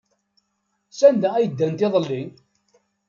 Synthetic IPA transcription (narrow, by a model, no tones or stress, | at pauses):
sænd̪ææjəd̪ːænt̪ɪðˤəlːi